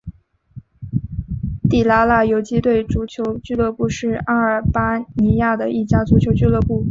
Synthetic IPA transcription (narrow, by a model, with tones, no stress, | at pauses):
t̪i˨˩la˧˥la˥˩jo˧˥ʊt͡ɕi˥t̪we˥˩ɪʈ͡ʂu˧˥t͡ɕʰjo˧˥ʊt͡ɕy˥˧lɤ˥˧pu˥˧ʂɻ̩˥˩a˥ə˞˨˩pa˥ni˧˥ja˥˩d̪ə˩ʔi˥˩t͡ɕja˥t͡su˧˥t͡ɕʰjo˧˥ʊt͡ɕy˥˧lɤ˥˧pu˥˩